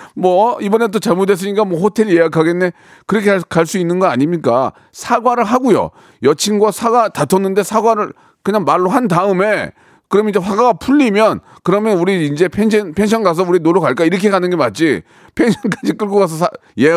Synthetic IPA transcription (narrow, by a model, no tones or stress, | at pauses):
mwʌibʌne̞t̬ot͡ɕaɭmodwe̞s̬͈ɯɲik͈amwʌɸotʰe̞ɾije̞jakʰaɡe̞nːe | kɯɾʌkʰekaɭs͈uinːɯnɡʌa̰ɲimɲik͈a̰ | sʰaɡwaɾɯɭɦaɡujo̰ | jʌt͡ɕʰinɡwasʰaɡatatʰʌnːɯnde̞sʰaɡwaɾɯɭ | kɯɲaŋmaɭːoɦandaɯme̞ | kɯɾʌmid͡ʑeɸwaɡaɡapʰuʎːimjʌn | kɯɾʌmjʌnuɾiind͡ʑe̞pʰenɕʰʌnpʰe̞nɕ̬ʰʌnɡas̬ʰʌuɾinoɾʌkaɭk͈aiɾʌkʰe̞ɡanɯnɡe̞mat̚t͡ɕ͈i | pʰe̞ŋɕʰʌnk͈ad͡ʑik͈ɯɭɡoɡas̬ʰʌsʰaje